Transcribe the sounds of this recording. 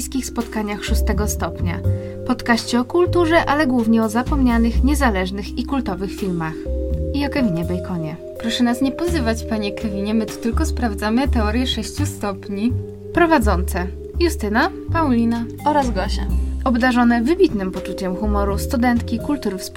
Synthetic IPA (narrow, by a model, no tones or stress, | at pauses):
skʲixspɔt̪kaɲaxʂust̪ɛɡɔst̪ɔpɲa̰ | pɔt̪kaɕt͡ɕɛɔkult̪uʐɛʔalɛɡwuvɲɛɔzapɔmɲanɘxɲɛzalɛʐnɘxikult̪ɔvɘxfʲilmaxiɔkɛvʲiɲɛbɛjkʰɔɲɛ | pɾɔʂɛnasɲɛpɔzɘvat͡ɕpaɲɛkɛvʲiɲɛmɘt̪u̥t̪ɘlkɔspɾavd̪zamɘt̪ɛɔɾʲjɛʂɛɕt͡ɕust̪ɔpɲi | pɾɔvad̪zɔnt̪sɛ | just̪ɘna | pawlʲina | ɔɾazɡɔɕaɔbd̪aʐɔnɛvɘbʲit̪nɘmpɔt͡ʂut͡ɕɛmxumɔɾust̪ud̪ɛnt̪kʲikult̪uɾɘfsp